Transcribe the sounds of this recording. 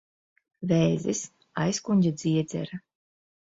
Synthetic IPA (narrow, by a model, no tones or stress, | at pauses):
vɛːzis | ajskuɲʲɟʲad̪zʲiɛd̪zʲɛ̰ɾa